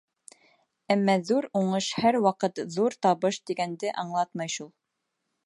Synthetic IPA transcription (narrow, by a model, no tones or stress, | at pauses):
æmːɑðuɾuɴɤʃhæɾwɑqɤt̪ðuɾt̪ɑβɤʃd̪iɡænd̪ɘʔɑɴlˠɑt̪mɑjʃulˠ